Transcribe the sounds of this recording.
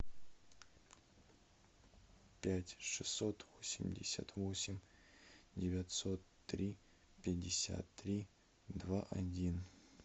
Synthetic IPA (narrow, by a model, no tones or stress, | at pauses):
pʲætʲʂɨsːot̪vosʲɪmʲdʲɪsʲa̰t̪vosʲɪmʲ | dʲɪvʲat̪sot̪ːɾʲi | pʲɪdʲɪsʲa̰t̪ːɾʲi | d̪vaʔadʲin